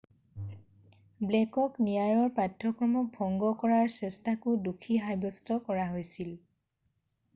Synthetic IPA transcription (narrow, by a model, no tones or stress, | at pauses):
blɛkɔknijaɹɔɹpatʰːɔkɹɔmɔk̚bʱɔŋɡɔkɔɹaɹsɛstakʊdukʰiɦajbɔstɔkɔɹaɦojsil